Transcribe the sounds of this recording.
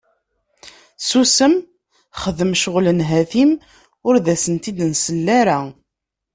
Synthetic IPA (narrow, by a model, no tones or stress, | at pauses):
susəm | χəðəmʃʊʁlənɦæθim | ʊɾðæsənt̪id̪nsəlːæɾa